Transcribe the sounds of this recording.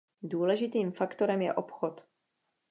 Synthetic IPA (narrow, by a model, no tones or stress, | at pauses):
duːlɛʒɪt̪iːmfakt̪o̞ɾɛmjɛ̰ʔo̞pxot̪